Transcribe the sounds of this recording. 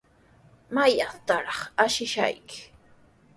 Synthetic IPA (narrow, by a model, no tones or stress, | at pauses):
majat̪aɾɑχaʃɪʃa̰jkɪ̥